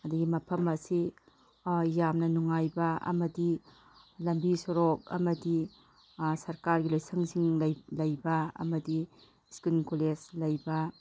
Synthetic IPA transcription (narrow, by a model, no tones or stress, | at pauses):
ɐdɐɡimɐpʰɐmɐsi | jamnɐnuŋajbɐɐ̰mɐdi | lɐmbisoɾok̚ɐ̰mɐdi | sɐɾkaɾɡilojsʰɐŋsiŋljlɐjbɐɐ̰mɐdi | skunkoleslɐjbɐ